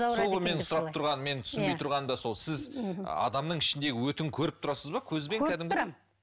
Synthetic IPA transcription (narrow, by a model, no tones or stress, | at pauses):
solˠʁʁəme̞nsʊɾɑpt̪ʰʊɾʁɑnəme̞nt̪ʰʏ̥sɪnbet̪ʰʊɾʁɑnd̪ɑso̞lˠsɪz̰ɑ̰d̪ɑmnəɴɪʃɪnd̪e̞ɡʲɪwɵt̪ɪŋkʲʰɵɾɪp̚t̪ʰʊɾɑsəzbɑkʲʰɵzʲbe̞ŋkʲʰæd̪ɪmkʲ